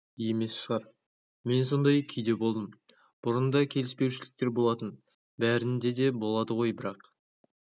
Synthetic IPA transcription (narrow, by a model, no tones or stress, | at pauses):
je̞me̞sʃəʁɑɾ | me̞nso̞nd̪ɑjkʲʰʏjd̪e̞bo̞lˠd̪əm | b̥ʊɾənd̪ɑkʲʰe̞lɪspe̞wʃɪlɪk̚t̪e̞ɾbo̞lˠɑt̪ən | bæɾɪnd̪e̞d̪e̞bo̞lˠɑd̪əʁo̞jbɪɾɑq